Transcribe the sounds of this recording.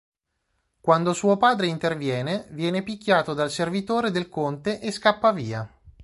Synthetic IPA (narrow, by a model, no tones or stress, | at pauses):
kwand̪osuːopaːd̪ɾeint̪ervjɛːnevjɛːnepikʲːjaːt̪od̪alservit̪oːɾed̪elkont̪eʔeskapːaviːa